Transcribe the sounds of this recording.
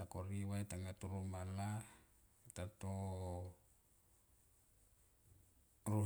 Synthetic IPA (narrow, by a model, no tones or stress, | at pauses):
akoɾiwait̪aŋɡat̪uɾumala | it̪at̪o | ru